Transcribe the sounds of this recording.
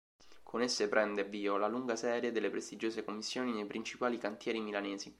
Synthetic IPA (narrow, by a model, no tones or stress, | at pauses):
kʰonesːepɾʔɛnd̪eviːolaluŋɡasɛːɾjed̪elːepɾest̪id͡ʒoːsekomːisːjoːninejpɾint͡ʃipaːlikant̪jɛːɾimilaneːzi